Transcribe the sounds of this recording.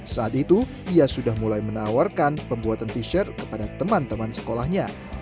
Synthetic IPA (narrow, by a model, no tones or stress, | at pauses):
saat̪̚it̪u | iasudahmulajmənawarkanpəmbuat̪ant̪iʃərkə̥padat̪əmant̪əmansə̥kolahɲa